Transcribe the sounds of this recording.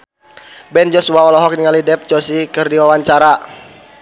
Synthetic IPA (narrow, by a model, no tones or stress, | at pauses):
bɛnd͡ʒɔsuaɔlɔɦɔk̚niŋalidɛp̚t͡ʃɔsikɨrdiwawaɲt͡ʃaɾa